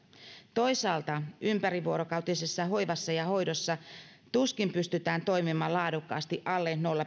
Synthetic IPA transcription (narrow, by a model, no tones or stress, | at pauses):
t̪o̞jsɑːlt̪ɑʔympæɾiʋuoɾokɑwt̪isesːɑɦo̞jʋɑsːɑjɑho̞jdo̞sːɑ | t̪uskimpyst̪yt̪æːnt̪o̞jmimɑːlɑːdukːɑ̰ːst̪iʔɑlːeːnnolːɑ